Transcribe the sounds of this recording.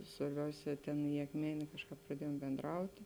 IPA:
sʋɐrʲˈbʲɛʊsʲɛː ˈtʲeːn ɪ ɐkˈmʲæːnʲeː ˈkɑːʃˌkɑːp prɐˈdʲiɛjoːm bʲɛndˈrɐʊtʲɪ

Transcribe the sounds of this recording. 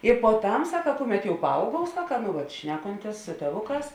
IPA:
ɪ poːˈtɐm ˈsɑːkɐ ˈkʊˌmʲɛt jɛʊ pɐˈɐʊɡuɔw ˈsɑːkɐ nʊ ˈʋɐt ˈʃʲnʲæːkoːnʲtʲeːs sʊ tʲeːˈʋʊˌkɑːs

